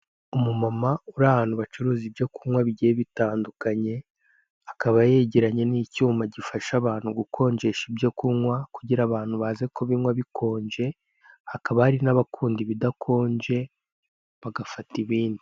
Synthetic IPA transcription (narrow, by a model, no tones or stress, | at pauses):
umumamauɾahaːn̥huβat͡ʃuɾuːzibjo̞kuŋwaβiɟieβitaːndukaɲe̞ | akaβaje̞ɟeɾaɲe̞niːcuːmaɟifaʃaβaːnhuɡukʰo̞ːɲd͡ʒe̞ʃibjokuŋwakuɟiɾaβaːn̥huβaːzekʰo̞βinŋwaβikʰo̞ːɲd͡ʒe̞ | hakaβahaɾinaβakʰuːndiβidakʰo̞ːɲd͡ʒe̞ | βaɡafatiβiːndi